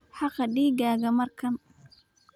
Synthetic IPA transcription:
ħɑqɑɖiːɡaːɣɐmɐrkʰɐn

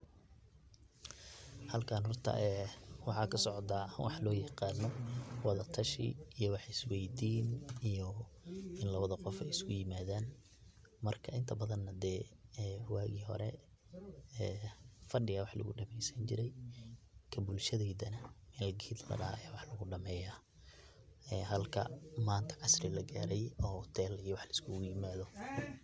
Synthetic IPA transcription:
hɐlkʰaːnhɔrt̪ʰɐ̰ʔɛːwɑħɑːkʰɐsɔʕɔt̪aːwɑħlɔːjɐqɑːnːɔwɑðɐt̪ʰɐʃḭijɔwɑħɑjɪswɛjd̪iːnijɔ | ɪnlɐβɐðɐqɔfɛjɪskʰʊjɪmaːðaːn | mɐrkʰɐɪnt̪ʰɐbɐðɐnːɐd̪ɛːwaːɣiːɦɔ̰ɾɛ̰ | fɐɖɪɣɐwɑħlʊ̰ɣʊɖɐmɛjsɐnt͡ʃɪɾɛj | kʰɐbʊlʃɐðɛːðɐnɐɪnlɐɡiːd̪lɐ̰ɽɐ̰hjaːwɑħlɐɣʊɖɐmɛːjaː | ɛːɦɐlkʰɐ̰maːnt̪ʰɐ̥ʕɑsrɪlɐɡaːɾɛjɔːt̪ʰɛːlijɔwɑħlɐskʰʊɣʊjɪmaːðɔ

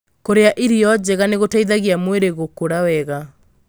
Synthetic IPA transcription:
koɾeaʔiɾiɔd͡ʑɛɣaneɣotaiðaɣiamweɾeɣokoɾawɛɣa

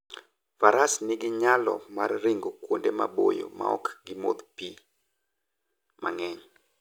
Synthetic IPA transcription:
faɾasnɪɡɪɲalɔ̰marːɪŋɡokwondemabojo̰ma̰ɔ̰kɡɪmod̪pi | ma̰ŋɛɲ

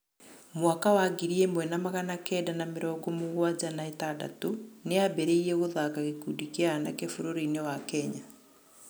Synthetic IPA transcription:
mwakawaɡiɾiemwɛnamaɣanakɛːdanameɾɔːɡɔmoɣwad͡ʑanaetada̰toneabɛɾeiɾɛɣoðakaɣekudikeanakefoɾoɾinewakɛɲa

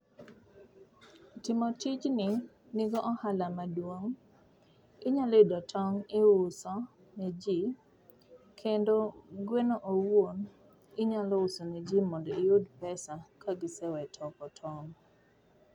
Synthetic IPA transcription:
tɪmɔtɪt͡ʃnɪ | niɡɔʔɔhalamadwoŋ | ɪɲalɪdɔtʰɔŋɪʊsɔ | ned͡ʒi | kʰendoɡwenoʔowwon | ɪɲalɔʊsoned͡ʒimɔndɔɪjodpɛsakaɡɪsɛwɛtʰɔkɔtʰɔŋ

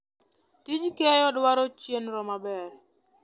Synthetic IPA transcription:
tid͡ʒkɛjɔdwaɾɔt͡ʃjenɾɔmabɛɾ

